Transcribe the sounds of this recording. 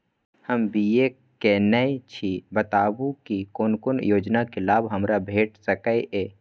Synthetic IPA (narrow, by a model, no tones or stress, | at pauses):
həmbije | kenəit͡ʃʰibət̪aːbukikoːnkonjoːd͡ʒnakelaːbɦəmɾabʱeːʈsəkəeʔeː